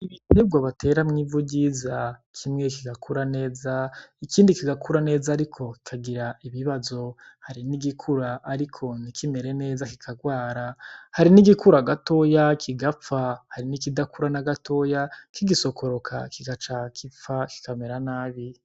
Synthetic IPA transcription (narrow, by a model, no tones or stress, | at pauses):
iβitebɡwaβatʰe̞ːɾamŋiːvuɟizakʰimŋe̞kiɡakʰuɾane̞ːzaikiːndikiɡakuɾane̞ːzaːɾikʰo̞ki̥kʰaɡiɾaiβiβazo̞ | haɾiniɡikʰuɾaʔːɾikʰo̞nikʰime̞ɾe̞ne̞ːzaki̥kʰaɡwaːɾahaɾiniɡikuɾaɡato̞jakʰiɡafahaɾinikidakuɾanaɡatʰo̞jakiɡiso̞kʰo̞ɾo̞kʰa̰kiɡat͡ʃakʰifaki̥kameɾanaːβi